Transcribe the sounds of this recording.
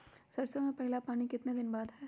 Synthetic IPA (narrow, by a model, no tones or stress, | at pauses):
sɐɾsomẽpɛɦlapaːñikɪt̪ned̪ɪnbaːd̪ɦɛː